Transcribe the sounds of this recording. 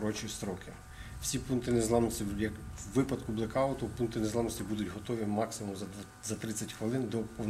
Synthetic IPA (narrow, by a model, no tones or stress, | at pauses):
ɾɔt͡ʃijist̪ɾɔkɪ | wsʲipunt̪ɪnezlˠɑmnɔsʲtʲijɐkʋɪpɐd̪kʊblˠekɑɔt̪ɔpunt̪ɪnezlˠamnɔsʲtʲibud̪ʊdʲɦɔt̪ɔʋʲimɑksʲɪmumz | zɐt̪ɾɪt͡sʲɐtʲxʋɪlˠɪnd̪ɔpɔn